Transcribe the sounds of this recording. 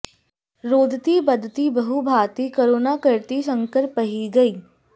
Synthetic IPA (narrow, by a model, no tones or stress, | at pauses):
ɾoːd̪t̪ibɐd̪ʱt̪ibɐɦubʱaːt̪ikoːɾoːnakɪɾt̪is̬ə̃ŋkəɾpɐɦiɡɐiː